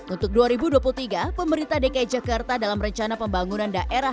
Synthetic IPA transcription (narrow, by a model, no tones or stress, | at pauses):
unt̪ʊk̚duaɾibuduapult̪iɡapəməɾint̪adekaid͡ʒakart̪adalamrəɲt͡ʃanapəmbaŋunandaʔʔeɾa